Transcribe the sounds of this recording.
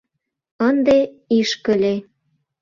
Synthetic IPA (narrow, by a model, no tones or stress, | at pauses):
ənd̪e | iʃkə̆lʲe